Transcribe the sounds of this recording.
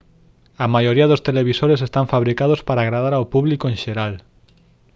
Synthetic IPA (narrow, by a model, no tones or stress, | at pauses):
ɐmajoɾiɐðʊst̪eleβ̞isoɾesest̪aɱfaβɾikaðospaɾaɣɾaðaɾawpuβlikoẽnʃeɾal